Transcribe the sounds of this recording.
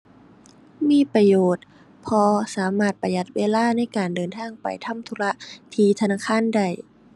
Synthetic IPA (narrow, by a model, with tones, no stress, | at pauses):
miː˧˥˨pɾa˧joː˨˩t̪̚ | pʰɔː˧saː˩˦maː˧˩t̪̚pa˧ja˧˦t̪̚weː˧laː˥˩˨na˥˩jkaː˨˩ndɤː˨˩nt̪ʰaː˧˥˨ŋpa̰˨˩jt̪ʰa˧˥˨mt̪ʰu˧la˦˧˥ʔt̪ʰiː˧˩t̪ʰa˧naː˧˥˩kʰaː˧˥˨nda˧˩j